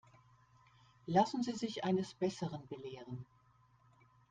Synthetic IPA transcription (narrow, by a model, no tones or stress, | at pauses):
lasn̩ziːzɪçʔaɪnəsb̥ɛsəʁənbəleːʁən